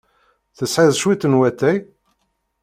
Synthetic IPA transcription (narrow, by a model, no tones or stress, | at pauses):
θəsħiðˤʃwit̪ːənwæt̪ːæj